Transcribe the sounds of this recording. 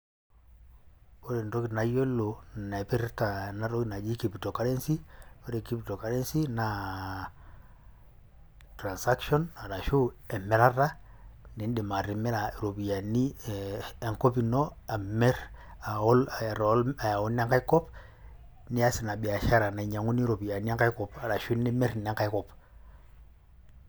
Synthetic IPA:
o˦ɾe˨n˨ɾo˦ki˨tna˨jo˦lːo˨na˨ɛ˨pi˦ɾta˨na˨ɾo˦ki˦na˨d͡ʒi˦ki˨pi˨to˨ka˦ɾe˦nsi˦o˦ɾe˨ki˦pi˨to˨ka˦ɾe˦nsi˦na˨ | tɾa˨nsa˦kʃɔ˦nːa˨ɾa˨ʃu˦ɛ˨mːɛ˨ɾa˦ɾa˦ | ni˨˦n˦di˨ma˨ɾi˨mɛ˦ɾa˨ɾo˨bi˨a˨ni˦ | e˦˨ŋko˦pi˨no˦a˨me˦ɾ | a˨o˦la˨ɾo˨˦la˨ja˨u˦n˦a˦ŋka˦jkɔ˦p | ni˦a˦sɪ˨na˨bi˨a˨ʃa˦ɾa˨na˨i˨ɲa˨ŋu˦ni˦ɾo˨bi˨a˨ni˦a˦ka˦i˦kɔ˨pa˨ɾa˨ʃu˦ni˦me˦ɾne˦ŋka˦jkɔ˨p

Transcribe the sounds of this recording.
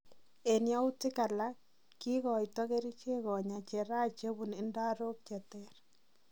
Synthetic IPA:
e˨nja˦u˦tɪ˦ka˨la˦kː | i˦kɔ˨jtɔ˦ke˦ɾi˦t͡ʃe˦kɔ˨ɲa˨t͡ʃe˨ɾa˦t͡ʃe˦bu˨nɪ˦nda˦ɾo˦k̚t͡ʃɛ˨tɛ˦ɾ

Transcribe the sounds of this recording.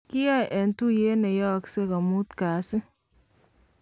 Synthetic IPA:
ki˦ja˦˨jʔɛ˨ntu˦je˦ne˨jɔ˦˨kse˦ka˨mu˦t̪ka˨sɪ˦

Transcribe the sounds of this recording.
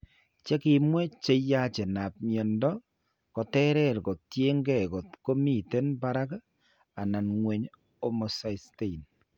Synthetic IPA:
t͡ʃe˦kɪ˨mwɛ˦t͡ʃe˦ja˦t͡ʃe˨na˨p̚mjɔ˨ndɔ˦ | kɔ˨tɛ˦ɾɛ˦˨ɾkɔ˨tje˦ŋɡɛ˦˨kɔ˨tko˦mi˦˨te˦nba˦ɾa˦k | a˨na˨nŋwe˨ɲ | o˦mo˨sa˨˦ste˦i˨n

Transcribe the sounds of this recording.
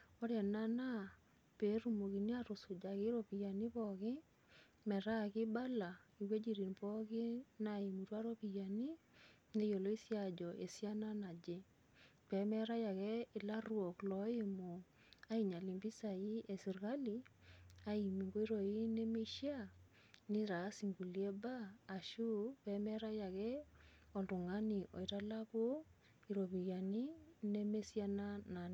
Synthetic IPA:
ɔ˦ɾja˨na˦na˦ | pe˨˦ɾu˦mo˨ki˨ni˦a˦ɾʊ˨sʊ˨d͡ʒa˨kɪ˦ɾo˨pi˨ja˨ni˦pɔ˨kɪ˦ | mɛ˨ɾa˦˨kɪ˦ba˦la˨i˨we˦d͡ʒi˨ɾi˨npɔ˦kɪ˦na˨i˨mu˨twa˦ɾo˦pi˨ja˨ni˦ | ne˦jo˨lo˦i˦sja˨d͡ʒɔ˨ʔe˨sja˦na˦na˨d͡ʒe˦ | pɛ˨˦mɛ˦ɾa˦ja˨kɛ˦ɪ˨la˦rwo˨klɔ˨˦e˦mo˨ | a˦i˨ɲa˨li˨mbi˦sa˨i˦e˨si˨ɾɣa˦li˨a˦i˨mi˨ŋɡo˦i˦ɾo˨i˦ne˦me˦ʃi˦a˦˨ | ni˦ɾa˨˦si˨ŋɡu˨li˨˦ɛ˦baː˦˨ʃu˦pɛ˨˦mɛ˦ɾa˦ja˨kɛ˦ɔ˨ndu˨ŋa˦ni˨ʔɔ̰˨i˨ta˦la˦ko˦ | i˨ɾo˨βi˨ɣja˨ni˦ne˦me˦sja˦na˦na˨n˨

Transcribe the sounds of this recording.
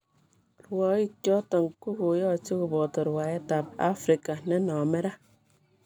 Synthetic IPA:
ɾwɔ˨˦i˦kjɔ˦tɔ˨ŋku˦ku˨˦jɔ˦˨t͡ʃo˦ku˨bɔ˨to˨ɾwa˨e˦ta˨p̚a̰˦fɾi˨ka˨ne˦nɔ˨me˦ɾa˦

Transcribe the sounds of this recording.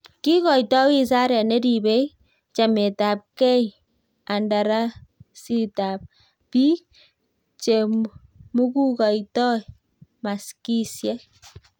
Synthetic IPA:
ki˦kɔ˨jtɔ˦wi˦s̬a˦ɾɛ˨ne˦di˨be˦j | t͡ʃa˨me˨ta˨p̚kɛ˦j | a˨nda˨ɾa˦si˦ta˨p̚ | pi˦ | t͡ʃe˨ | mu˦ku˦kɔ˨jtɔ˦j | ma˨ski˦sjɛ˦

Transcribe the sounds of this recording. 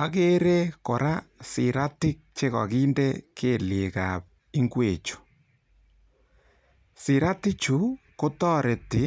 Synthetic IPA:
a˦ɣe˦ɾe˦ko˨ɾa˦si˨ɾa˦ti˦k̚t͡ʃe˦ɣɔ̰˨ɣiː˦nde˦kʰe˦le˨ɣap | i˦ŋɡwe˨t͡ʃu̥˨ | si˨ɾa˦ti˦t͡ʃu˨˦ko˦tɔ˦ɾe˨ti˨

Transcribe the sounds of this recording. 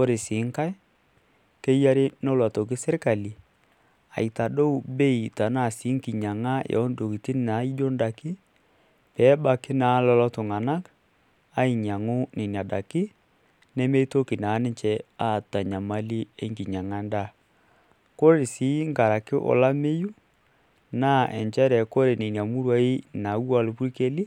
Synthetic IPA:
ko˦ɾɪ˨siː˨˦ŋka˦j | ke˦ja˦ɾɪ˦nɔ˦lwa˨to˨k̬ɪ˦sɪ˦ɾka˨li˨ | a̰˨i˨ta˨do˦wbe˦i˨ta˨na˦˨si˨˦ŋki˨ɲa˨ŋa˦jɔ̰˨˦n˦do˨ki˨tɪ˦n˦na˨˦i˦d͡ʒo˦nda˨kɪ˦ | pɛː˨˦ba˦kɪ˦na˨˦lɔ˦lɔ˦tʊ˨ŋa˨na˦k | a˦i˨ɲa˨ŋʊ˦ne˨n˨a˨da˨kɪ˦ | ne˦me˦i˦to˦ki˨na˨˦nɪ˦ɲt͡ʃɛ˦a˦˨ta˨ɲa˨ma˦li˦e˦ŋɡi˨ɲa˨ŋa˦nda˦˨ | ko˦ɾe˨si˨˦ŋɡa˨ɾa˨kɪ˦ʔɔ̰˨la˦me˦ju˦ | na˦˨ʔɛ̰˨ɲt͡ʃɛ˦ɾɛ˨ko˦ɾe˨ni˨n˨a˨mu˦ɾwa˦i˦na˨˦wa˦˨lu˨pu˦ɾke˦li˦

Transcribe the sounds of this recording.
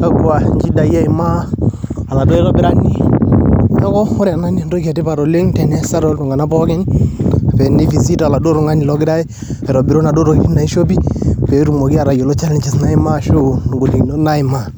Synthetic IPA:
ka˦kwa˨ŋki˦da˨ja˦ɪ˨maː˦˨ | la˨do˦ɛ˦ɾɔ˦bɪ˨ɾa˦ŋni˦ | nɔ˦kɔ˦ɔ˦ɾa˨na˦ni˦˨ndo˦ka˨tɪ˦pa˨ɾo˨le˦ŋtɛ˨nɛ˦sa˦ɾɔ˦lo˨ŋɡa˨na˦pɔ˦kɪ˦na˨pɛ˨ni˦fi˨si˦ta˨la˨do˦ɾo˨ŋa˦ni˨lɔ˦kɪ˦da˦i˦ | ɛ˨ɾɔ˨bɪ˨ɾo˦na˨do˦ɾo˨ki˦na˨i˦ʃo˦pi˦˨pɛ˨˦ɾu˨mo˨ki˦a˨ɾa˨jo˨lo˦t͡ʃa˦le˦ɲt͡ʃɪ˨sna˦ɪ˦ma˦ʃo˦n˨ɡo˨li˨˦na˦ɪ˨ma˦˨

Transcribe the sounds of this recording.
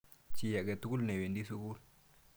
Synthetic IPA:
t͡ʃi˦ja˨ɡɛ˨t̪u˦ku˦lnɛ˨we˨ndi˦su˦ku˦l

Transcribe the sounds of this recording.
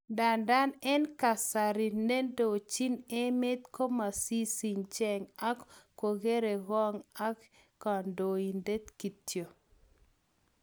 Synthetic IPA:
da˨nda˦nɛ˦nka˨sa˨ɾi˨ne˦ndo˨t͡ʃi˦ne˦me˦t̪ko˦ma˨si˦si˨ɲt͡ʃɛ˨ŋa˦kko˨ɡe˦ɾe˨ɣɔ˦ŋa˦kː | ɔ˨ndo˨i˨nde˦t̪ki˨tjo˨

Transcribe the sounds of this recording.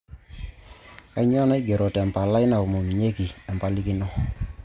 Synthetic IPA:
ka˦ɲɔ˦na˦i˦ɡe˨ɾo˨tɛ˨mpa˨la˦ɪ˦na˨o˨mo˨mi˨ɲe˦ki˨ɛ˨mpa˨˦li˦ki˦nɔ˦

